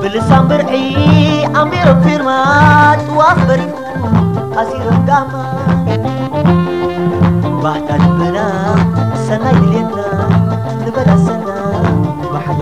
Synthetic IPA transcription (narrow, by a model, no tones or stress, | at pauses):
bəlisambəɾkiamiɾokiɾmatuwambəɾ | asiɾəmɡama | batadubənasanajilemna | dəbadasanːa